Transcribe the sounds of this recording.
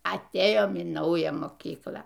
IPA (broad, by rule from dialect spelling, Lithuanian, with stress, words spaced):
ɐtʲˈeːjoːm iː ˈnɐʊjæː moːˈkʲiːklˠɑː